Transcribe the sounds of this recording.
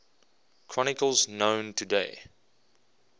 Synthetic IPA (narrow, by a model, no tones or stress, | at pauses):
kʰɹ̥ɔnɪkəlˠznõʊ̃ntʰudeɪ